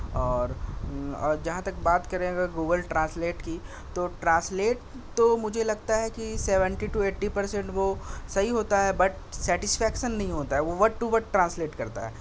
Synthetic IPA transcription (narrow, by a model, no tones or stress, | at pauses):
ɔːɾ | ɔːɾd͡ʒɐɦãt̪ɐkbaːt̪kɐɾẽɐɡəɾɡoːɡəlʈɾãːnsleːʈki | t̪oʈɾãːsleːʈ̚ | t̪omʊd͡ʒʱelɐɡt̪aɦɛkiseːʋə̃ɳʈiʈueːʈːipɐɾsẽɳʈʋosɐɦiɦoːt̪aɦɛbɐʈ | sɛːʈɪsfʰɛːkʃənːɐɦĩɦoːt̪aɦɛʋoʋɐʈːuʋɐʈ̚ʈɾãːnsleːʈkɐɾt̪a̰ɦɛ̰ː